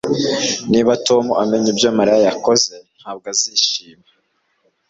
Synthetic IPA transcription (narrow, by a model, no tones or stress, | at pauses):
niːβato̞muʔameɲibjomaɾajjako̞ze̞n̥haːb̚ɡaziʃiːma